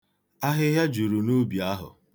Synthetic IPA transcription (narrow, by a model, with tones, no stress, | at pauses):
a˦ɦɪ˦ɦja˦d͡ʒu˨ɾu˨nu˦bi˨a˦ɦʊ̰˨